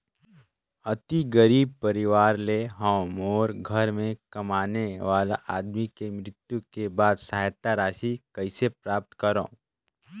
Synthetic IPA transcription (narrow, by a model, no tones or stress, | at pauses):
ɐt̪iɡəɾiːb̚pɐɾɪʋaːɾleɦɐ̃moːɾɡʱɐɾmẽkɐmaːneʋaːla̰ʔaːd̪mikemɾɪt̪jukebaːd̪sɐɦajt̪aɾaːʃikɐɪsepɾaːp̚t̪kəɾõ̰ː